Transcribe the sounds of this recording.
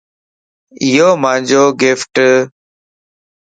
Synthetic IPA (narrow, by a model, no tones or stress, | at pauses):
ɪɦoːmãːnd͡ʒoːɡɪfʈ